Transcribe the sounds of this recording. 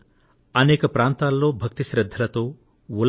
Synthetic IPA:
ɐneːkɐpɾaːnt̪alːoːbʱɐk̚t̪iʃɾɐd̪ʱːɐlɐt̪oː | wul

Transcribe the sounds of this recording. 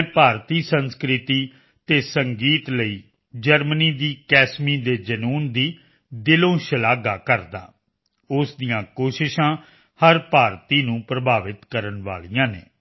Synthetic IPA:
ɛːpaːɾt̪iːsənskɾɪt̪iː | t̪eːsəŋɡiːt̪ləiː | d͡ʒəɾməniːd̪iːkɛːsmiːd̪eːd͡ʒənuːnd̪iː | d̪ɪlõːʃəlaːɡaːkəɾd̪a̰ː | ʊsd̪ijãːkoːʃɪʃãː | həɾpaːɾt̪iːnũːpɾəbʱaːʋɪt̪kəɾənʋa̰ːɭijãːnḛː

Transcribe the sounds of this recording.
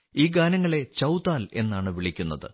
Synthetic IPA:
iːɡaːnɐŋːɐɭe̞t͡ɕɐwt̪aːle̞nːaːɳɨʋiɭikʲːunːɐðɨ̰

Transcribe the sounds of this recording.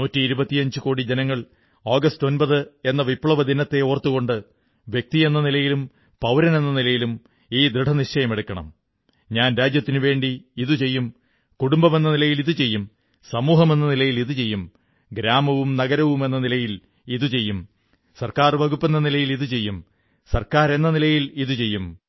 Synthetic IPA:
nuːtːiːɾubɐt̪ːijɐɲd͡ʑuko̞ːɽid͡ʑenɐŋːɐɭ | oːɡɐsto̞nbɐðɨe̞nːɐʋipːɭɐʋɐd̪ʱinɐt̪ːe̞oːrt̪ːuɣo̞ɳɖɨ | ʋjek̚t̪ie̞nːɐnilɐjilum | pɐwɾɐne̞nːɐnilɐjilum | iːd̪ɾiɖʰʱɐniʂɐjɐme̞ɽukːɐɳɐ̰m | ɲaːnɾaːd͡ʑjɐt̪ːinɨʋe̞ːɳɖiːðut͡ɕe̞jːum | kuɽumbɐme̞nːɐnilɐjiliðɨt͡ɕe̞jːum | sɐmuːɦɐme̞nːɐnilɐjiliðɨt͡ɕe̞jːum | ɡɾaːmɐʋumnɐɣɐɾɐʋume̞nːɐnilɐjil | iðut͡ɕe̞jːum | sɐrkaːrʋɐɡupːe̞nːɐnilɐjiliðut͡ɕe̞jːum | sɐrkaːɾe̞nːɐnilɐjiliðut͡ɕe̞jːum

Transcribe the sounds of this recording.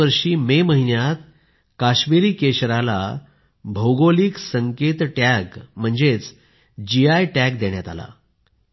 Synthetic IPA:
əɾʂiːmeməɦinjat̪̚ | kaɕmiɾiːkeɕɾala̰ | bʱəwɡoliːksəŋket̪ʈæɡm̤əɳd͡zet͡s | d͡ʑiajʈæk̚d̪eɳjat̪a̰la̰

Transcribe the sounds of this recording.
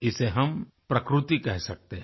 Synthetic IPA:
ɪseɦɐm | pɾɐkɾut̪ikɛɦsɐk̚t̪eɦ

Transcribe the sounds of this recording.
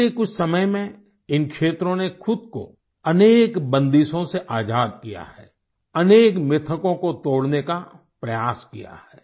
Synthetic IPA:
ekʊt͡ʃʰsɐməjmẽ | ɪnkʃeːt̪ɾõnexʊd̪̚ko̰ | ɐneːkbə̃nd̪iːʃõseʔaːd͡ʒaːd̪kija̰ɦɛ̰ː | ɐneːkmɪt̪ʰəkõkot̪oːɽneka | pɾɐjaːskija̰hɛː

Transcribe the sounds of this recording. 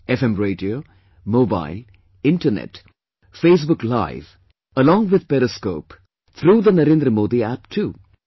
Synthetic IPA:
efẽmɾeːɖioː | moːba̰ɪl | ɪ̃ɳʈɐnḛʈ | feːs̬bʊkla̰ɪʋ | ɐlɔ̃ːŋɡʋɪd̪̚peɾiskoːp | t̪ʰɾuːd̪ɐnɐɾẽːnd̪ɾɐmoːd̪iæːpʈʰuː

